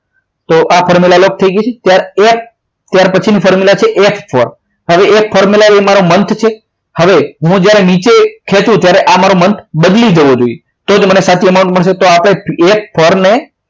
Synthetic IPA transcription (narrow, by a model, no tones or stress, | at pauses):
t̪oʔafʰɔɾmilalok̚t̪ʰəiɡəet͡ʃʰet̪jaɾep | t̪jaɾpət͡ʃʰinifɔɾmilat͡ʃʰeʔefʰfɔɾ | ɦəʋeek̚fʰɔɾmilaemaɾomənt̪ʰt͡ʃʰe | həʋeɦũd͡ʒjaɾemĩt͡ʃekʰet̪ũt̪jaɾeʔamaɾomənt̪ʰbəd̪lid͡ʒəʋod͡ʒoije | t̪od͡ʒmənesat̪ʰiəmaũɳʈməɭʃet̪oapɽ̃eekfʰəɾne